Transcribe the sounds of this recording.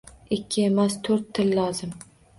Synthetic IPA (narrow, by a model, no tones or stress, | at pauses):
ɪkʲʰːɪe̞mast̪ʰoɾt̪ʰːɪllɒzɪm